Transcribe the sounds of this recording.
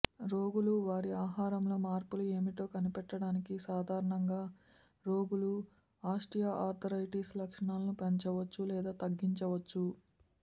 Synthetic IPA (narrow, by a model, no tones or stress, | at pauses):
ɾoːɡuluʋaːɾiaːɦaːɾɐmlo̞ːmaːɾpulue̞ːmiʈo̞ːkɐnipɛʈːɐɽaːnikisaːd̪ʱaːɾɐɳɐŋɡaː | ɾo̞ːɡulu | aːʂʈijaːʔaːɾt̪ʰɐɾɐjʈiːslɐkʂɐɳaːlɐnupɐɲt͡ʃɐʋɐt͡ʃːulɛːd̪aːt̪ɐɡːiɲt͡ʃɐʋɐt͡ʃːu